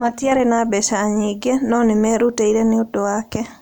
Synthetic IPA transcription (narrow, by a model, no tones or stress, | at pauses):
matjaɾenabɛʃaːɲɪɡenɔnɪmɛɾuteiɾenɪodowakɛ